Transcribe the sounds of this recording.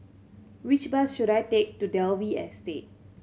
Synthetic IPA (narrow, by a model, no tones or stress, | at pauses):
ɹit͡ʃbasʃuɾajtek̚tudɛlviɛ̰stet̚